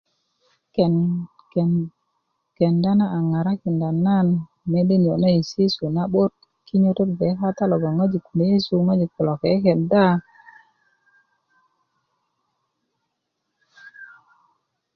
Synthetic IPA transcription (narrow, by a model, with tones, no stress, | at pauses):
kn˨ | ke˨nda˦na˦a˨ŋa˨ɾa˦ki˨nda˨nːa˦n | me˨˦de˦n˨o˨na˦i˨si˦su˨na˦ɓo˦t̚ | ki˦ɲo˦to˦tbe˨˦ka˦t̪a˦lo˨ɡa˨ŋa˦d͡ʒi˨ku˨le˦je˦su˨ŋa˦d͡ʒi˨ku˨lo˨ke˨˦ke˨nda˦